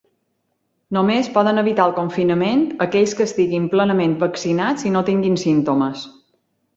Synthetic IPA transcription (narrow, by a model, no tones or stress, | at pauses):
nomespɔðənəβit̪alˠkoɱfinəment̪əkɛʎskəːst̪iɣimplənəmẽnt̪̚bəksinat͡sinot̪iŋɡinsint̪oməs